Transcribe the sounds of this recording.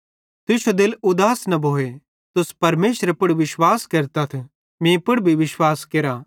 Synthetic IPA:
t̪ʊʃod̪ɪlʊd̪aːsnɐbʱoːe | t̪ʊspɐɾmeːʃɾepʊɽʋɪʃwaːskɐɾt̪ɐt̪ʰ | mẽːpʊɽbʱiʋɪʃwaːskeːɾaː

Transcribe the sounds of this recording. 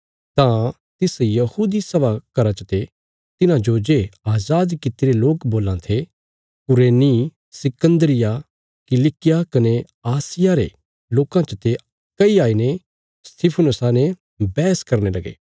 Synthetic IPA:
t̪ã | t̪ɪsjɐhuːd̪isɐbakɐɾãt͡ʃət̪e | t̪ɪnãd͡ʒod͡ʒeaːzaːd̪kɪt̪iɾeloːkboːlãt̪ʰe | kʊɾeːni | sɪkə̃nd̪əɾɪja | kɪlɪkɪjakɐne | aːsɪjaɾḛ | loːkãt͡ʃət̪e | kːɐiaːine | st̪ʰɪpʰənʊsane | bɛːəskɐɾnelɐɡḛː

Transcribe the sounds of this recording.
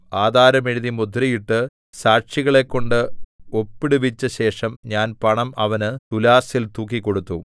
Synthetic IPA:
aːd̪ʱaːɾɐmiɻiðimud̪ʱrijiʈːɨ | saːʈʂiɣɐɭe̞kːo̞ɳɖɨo̞pːiɽuʋit͡ɕːɐɕe̞ːʂɐmɲaːnpɐɳɐmɐʋɐnɨt̪ulaːsilt̪uːkːikːo̞ɽut̪ːu

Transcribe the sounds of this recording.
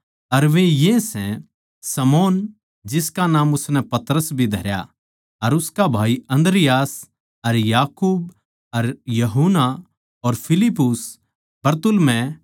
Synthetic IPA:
ɐɾʋẽjesɛ̃ | sɐmoːn | d͡ʒɪskanaːmʊsnɛpɐt̪ɾəsbʱid̪ʱɐɾja̰ | ɐɾʊskabʱaːiɐ̃nd̪ɾɪjaːs | ɐɾjaːkuːb | ɐɾjɐɦuna | ɔːɾpʰɪlɪpːʊs | bɐɾt̪ʊlmɛ̃

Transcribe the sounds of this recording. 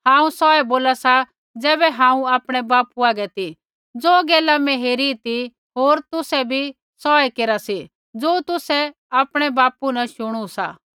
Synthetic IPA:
ɦãːũsɔɛboːlasa | d͡zɛːbɛɦãːũaːpɽ̃ɛbaːpuaːɡɛt̪i | d͡zoːɡɛːlamɛ̃ɦeːɾit̪i | ɦoːɾt̪ʊsɛbʱi | sɔːɛkeːɾasi | d͡zoːt̪ʊsɛ | aːpɽ̃ɛbaːpunaʃʊɽ̃usa̰ː

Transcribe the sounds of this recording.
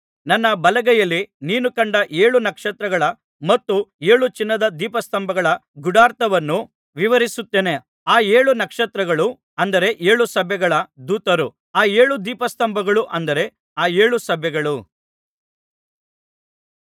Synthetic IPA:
nɐnːɐbɐlɐɡɛjɐlːiniːnukɐɳɖɐʔe̞ːɭunɐkʂɐt̪ɾɐɡɐɭɐ | mɐt̪ːueːɭut͡ʃinːɐd̪ɐd̪iːpɐst̪ɐmbʱɐɡɐɭɐɡuɽaːɾt̪ɐʋɐnːu | ʋiʋɐɾisut̪ːeːne | aːe̞ːɭunɐkʂɐt̪ɾɐɡɐɭu | ɐnd̪ɐɾe̞ʔe̞ːɭusɐbʱjɛɡɐɭɐd̪uːt̪ɐɾu | aːe̞ːɭud̪iːpɐst̪ɐmbʱɐɡɐɭuʔɐnd̪ɐɾe̞ | aːe̞ːɭusɐbʱjɛɡɐɭu

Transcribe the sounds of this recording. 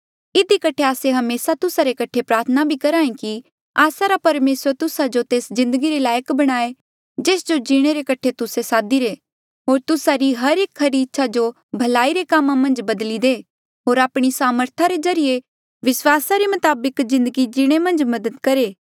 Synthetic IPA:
ɪd̪ikɐʈʰeaːseɦɐmeːsat̪ʊsaɾekɐʈʰepɾaːɾt̪ʰənabʱikɐɾãːĩki | aːsaɾapɐɾmeːsəɾt̪ʊsad͡ʒot̪eːszɪ̃nd̪əɡiɾelaːjəkbɐɽ̃aːe | d͡ʒeːsd͡ʒod͡ʒiɽ̃eɾekɐʈʰet̪ʊsesaːd̪iɾe | ɦoːɾt̪ʊsaɾiɦɐɾeːkɦɐɾiɪtːʃʰad͡ʒo | bʱɐlaːiɾekaːmːãmɐ̃nd͡ʒbɐd̪lid̪eː | ɦoːɾaːpɽ̃isaːməɾt̪ʰaɾezɐɾije | ʋɪswaːsaɾemɐt̪aːbəkzɪ̃nd̪əɡid͡ʒiɽ̃emɐ̃nd͡ʒmɐd̪əd̪kɐɾeː

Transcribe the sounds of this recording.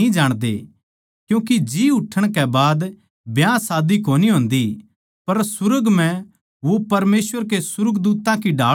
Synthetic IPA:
ĩd͡ʒaːɽ̃d̪ḛ | kjũːkid͡ʒiːʊʈʰːəɽ̃kɛbaːd̪ | bjãsaːd̪ikoːniɦõːnd̪i | pɐɾsʊɾəɡm̤ɛ̃ | ʋopɐɾmeːsʋəɾkesʊɾəɡd̪uːt̪ãkiɖaː

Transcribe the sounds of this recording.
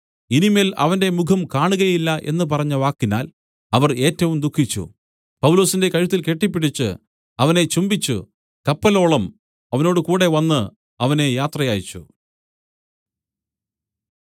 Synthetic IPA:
inimelɐ̰ʋɐnde̞mukʰɐmkaːɳuɣɐjilːɐʔe̞̰nːɨpɐrɐɲːɐʋaːkːinaːl | ɐʋɐre̞ːtːɐʋumd̪ukʰːit͡ɕːṵ | pɐwlo̞ːsinde̞kɐɻut̪ːilkeʈːipːiɽit͡ɕːɨ̰ | ɐʋɐne̞t͡ɕumbit͡ɕːṵ | kɐpːɐlo̞ːɭɐm | ɐʋɐno̞ːɽɨkuːɽe̞ʋɐnːɨ | ɐʋɐne̞jaːt̪rɐjaːjit͡ɕːṵ

